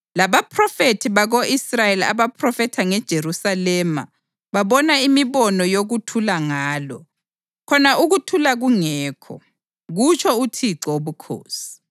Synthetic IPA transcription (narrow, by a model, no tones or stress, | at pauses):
laβapʰrɔfetʰiβaɣoʔisrajela̰βapʰrɔfɛtʰaŋɛd̥ʒ̥ʱerusalɛma̰ | βaβɔnaimiβɔnɔjoɣutʰulaŋaːlɔ̰ | kʰɔnaʔuɣutʰulaɣuŋɛːkʰɔ̰ | ɣut͡ʃʰɔutʰiǀɔoβukʰo̰ːsi̥